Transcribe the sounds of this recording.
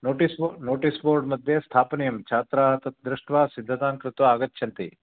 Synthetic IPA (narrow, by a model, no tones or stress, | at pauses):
noːʈisnoːʈisboːɾɖmɐd̪ʱjest̪ʰaːpnijɐmt͡ʃʰaːt̪ɾaːt̪ɐt̪d̪ɾɪʂʈʋaːsid̪ʱːɐt̪aːŋkɾɪt̪ʋɐaːɡɐt̪ːʃʰjɐnt̪ḭ